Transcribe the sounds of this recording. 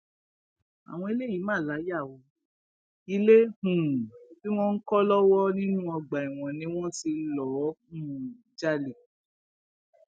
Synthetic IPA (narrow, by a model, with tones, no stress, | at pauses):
a̰˨w̃ɔ̃˧e˧le˦ji˨˦mãː˦˨la˨˦ja˦˨wɔ˧˦ | i˧le˦hũ˨fi˦w̃ɔ̃˦n̩˦kɔ˦lɔ˦wɔ˦nĩ˦nũ˦ɔ˧ɡ͡ba˨i˨w̃ɔ̃˨nĩ˧˦w̃ɔ̃˦ti˧lɔ˨˦hũ˦˨d͡ʒa˦le˨